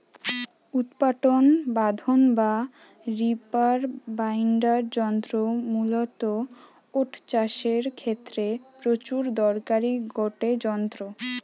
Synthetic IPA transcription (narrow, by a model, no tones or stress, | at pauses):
ut̪paʈonbad̪ʱonba | ɾipaɾbajɳɖaɾd͡ʑɔnt̪ɾomulot̪o | oʈt͡ɕaʃeɾkʰet̪ːɾepɾot͡ɕuɾd̪ɔɾkaɾiɡoʈed͡ʑɔnt̪ɾo